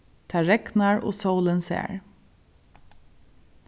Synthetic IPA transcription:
t̪ʰæːɹɛɡnɑɹo̰ːsəwlənsḛːɹ

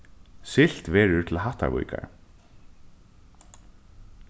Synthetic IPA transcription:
sɪl̥t̪vɛːɾʏɹt̪ʰɪlɦaht̪a̰ɾvṵːjkʰa̰ɹ

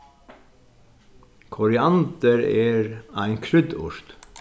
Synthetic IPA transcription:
kʰʊɾɪɑnd̪əɾeːɹæɪnkʰɾʏd̪ʊ̰ʃt̪

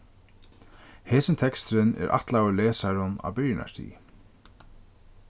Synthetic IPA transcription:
hɛːsɪnt̪ʰɛkst̪ɾɪnɛ̰ɾʔa̰ht̪laːwɪɾlɛːsaɾʊna̰wbɪjna̰ʂt̪ʰḭː

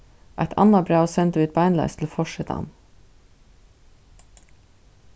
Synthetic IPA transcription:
ʔæ̰ɪt̪ʰɑ̰nɑbɾɑːosɛnt̪əʋɪːt̪̚bɑɪnlɑ̰ɪst̪ʰl̩fɔʃɛt̪ʰə̰ɑ̰m

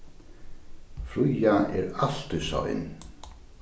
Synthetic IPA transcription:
fɾujaɛɾaɬt̪ʏsa̰ɪ̰n

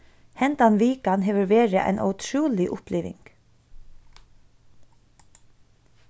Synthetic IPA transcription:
hɛnt̪anʋiːkanɦeːʋəɾʋeːɹɪʔæ̰ɪnʔɔ̰ʊt̪ʰɹuːlɪʔʊplʔɛːʋɪ̰ŋk

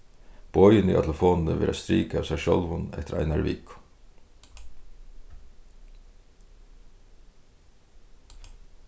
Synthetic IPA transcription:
b̥ɔʏənḭːɑ̰t̪ʰləfoːnn̩əʋḛːɾʔast̪ɾiːkɑsæʃɔlʋʊnɛ̰t̪ʰəɾæ̰ɪnɑɾʋiːk

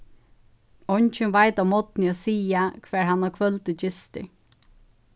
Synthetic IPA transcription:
ɔɲt͡ʃʏnvajt̪amɔt̪nɪɔsiːakʰvɛːɹhanːakʰvœlt̪ɪd͡ʒɪst̪ɪ̰

